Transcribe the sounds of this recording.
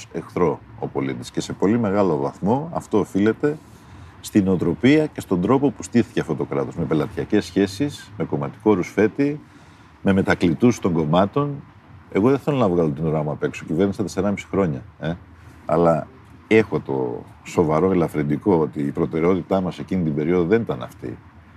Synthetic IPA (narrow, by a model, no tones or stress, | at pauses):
exθɾo̞o̰po̞lit̪isce̞se̞po̞lime̞ɣɐlo̞vɐθmo̞ɐ̰ft̪o̞ːfile̞t̪e̞ | st̪ineot̪ɾo̞piɐce̞st̪o̞nd̪ɾo̞po̞pust̪iθi̥ceɐft̪o̞t̪okɾɐt̪o̞zme̞pe̞lɐt̪çɐce̞sːçe̞sisme̞ko̞mɐt̪i̥ko̞ɾusfe̞t̪i | me̞me̞t̪ɐklit̪ust̪o̞ŋɡo̞mɐt̪o̞n | e̞ɣoðeθelonɐvɣɐlot̪inoɾɐmuɐpe̞ksocive̞ɾnisɐt̪e̞seɾɐmisi̥xɾo̞ɲɐe | ɐ̰lɐ | e̞xo̞t̪o̞̰ | so̞vɐɾoelɐfɾend̪iko̞ot̪iːpɾo̞t̪e̞ɾeo̞t̪it̪ɐmɐse̞cinit̪ibe̞ɾio̞ðoðe̞nit̪ɐnɐ̰ft̪ḭ